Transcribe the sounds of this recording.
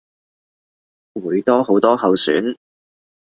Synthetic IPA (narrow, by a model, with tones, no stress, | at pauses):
wuː˨˧jt̪ɔː˥ho˨˥wt̪ɔː˥hɐ˨˧wsy̰ː˨˥n